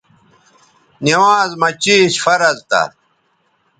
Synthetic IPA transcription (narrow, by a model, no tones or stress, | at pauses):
niwaːzmɐt͡ɕiːɕfɐɾɐzt̪ɐ̰